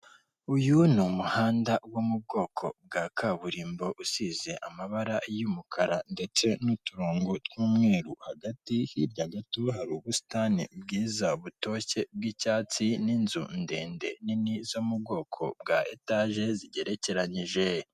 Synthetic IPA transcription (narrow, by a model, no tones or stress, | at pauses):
ujunumuhaːndawomub̚ɡo̞ːkʰo̞̰b̚ɡaːkʰaβuɾiːmbo̞ʔusize̞ʔamaβaɾajumukʰaɾande̞t͡se̞nutuɾoːŋɡotwuːmŋeːɾuhaɡatihiɾɟaɡatohaɾuβusi̥taːnḭbɡiːzaβuto̞ce̞b̚ɡicaːt͡sininzṵnde̞ːnde̞ninizomub̚ɡo̞ːkʰo̞̰bɡaʔetaʒe̞ziɟe̞ɾe̞ce̞ɾaɲiʒe̞